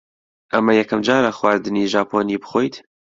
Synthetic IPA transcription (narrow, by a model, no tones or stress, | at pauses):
ʔɐmɐjɛkʰɐmd͡ʒaːɾɐxwaːɾd̪ɨniːʒaːpʰoːniːbɨ̥xoːjt̪